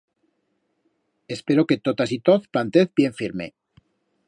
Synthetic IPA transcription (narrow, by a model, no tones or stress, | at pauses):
e̞spe̞ɾo̞ke̞t̪ot̪asit̪oθplant̪eθbje̞ɱfiɾmḛ